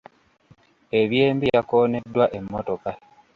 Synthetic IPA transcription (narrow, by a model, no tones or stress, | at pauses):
e̞βjeːmbijakoːne̞dːwaʔe̞mːoto̞ka